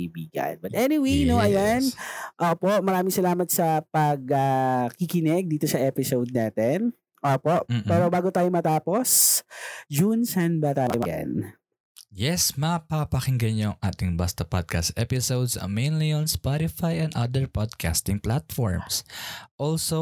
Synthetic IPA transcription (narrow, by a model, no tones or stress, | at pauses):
biːɡɐ̰nbɐt̪ʔɛnɪwejnoʔɐjanʔoːpo̞ʔmɐɾaːmɪ̃ŋsɐlaːmɐt̪̚sɐpɐɡ̚ɐkikɪnɛɡ̚d̪iːt̪o̞sɐʔɛpɪsowd̪̚naːt̪ɛn | ʔoːpo̞ʔ̩pɛːɾobaːɡot̪aːjomɐt̪aːpo̞s | d͡ʒunsɐnbat̪aːjomɐa̰n | jɛsmɐpapɐkɪŋɡɐɲoɐŋʔa̰ːt̪ɪŋbast̪ɐpa̰d̪̚ka̰st̪ʔɛ̰pɪsowd̪sɐ̰mejnlionspɔɾɪfajɛ̃nd̪ad̪ɛɹpɔd̪̚kʰa̰st̪ɪŋplat̪fɔ̰ɹmsʔolso